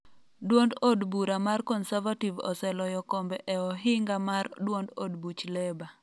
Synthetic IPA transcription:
dwondodbuɾamarkɔnsavativɔ̰sɛlɔjɔkɔmbɛʔɛɔɦɪŋɡamardwondo̰dbut͡ʃlɛba

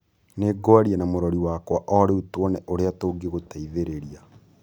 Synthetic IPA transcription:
neɡwaɾianamoɾɔɾiwakwaʔɔɾeutwɔnɛʔoɾeatoɡeɣotaiðeɾeɾia

